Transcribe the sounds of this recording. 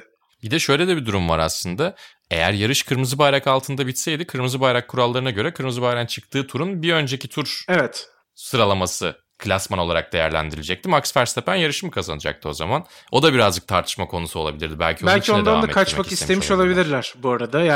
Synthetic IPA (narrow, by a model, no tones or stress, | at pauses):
bid̪ɛʃø̞jlʲed̪ɛbid̪uɾumva̰ɾa̰slˠɯnd̪a | ḛjæ̰ɾjaɾɯʃkʰɯɾmɯzɯbajɾakalˠt̪ʰɯnd̪abit̪sejd̪ikʰɯɾmɯzɯbajɾakʰːuɾalˠːaɾɯnaɟø̞ɾɛkʰɯɾmɯzɯbajɾant͡ʃʰɯk̚t̪ʰɯːt̪ʰuɾunbiø̞nd͡ʒe̞cit̪ʰuɾevɛt̪ | sɯɾalˠamasɯ | kʰɯlʲasmano̞lˠaɾa̰k̚d̪e̞jæ̰ɾlʲæ̰nd̪iɾilʲed͡ʒɛc̚t̪ʰimaksfæɾst̪ʰepʰænjaɾɯʃɯmɯkʰaza̰nɯd͡ʒa̰k̚t̪ʰɯo̞̰za̰mano̞d̪abiɾazd͡ʒɯk̚t̪ʰaɾt̪ʰɯ̥ʃmakʰo̞nusuo̞lˠa̰bilʲḭɾd̪ibæ̰lʲcʰiobælʲciood̪anmɛakʰat͡ʃaskisemʰemiʃo̞lˠabilʲiɾlʲæɾ̥buaɾad̪aja